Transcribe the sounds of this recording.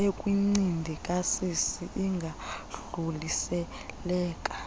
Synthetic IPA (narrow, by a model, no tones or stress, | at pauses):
ekʼwiŋ͡ǀindʱikʼasisiʔiŋɡʱaɮulisɛ | lɛːkʼḁ